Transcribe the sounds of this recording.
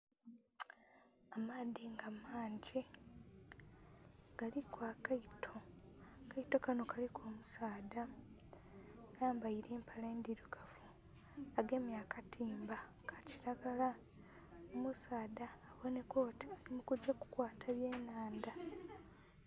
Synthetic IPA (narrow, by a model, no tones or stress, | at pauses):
amaːðiŋɡamaːɲɟi | ɡ̥alikwakaitʰokaito̞kano̞kalikʰo̞ːmusaːda | naːmbaiɾe̞ːmpʰaleːnd̪iɾuɡavu | aɡe̞mjaːkatʰiːmba | kʰḁciɾaɡala | omusaːdaːβo̞ne̞kʰo̞ːtialimukud͡ʒːaku̥kwaːtʰaβje̞ːnaːnda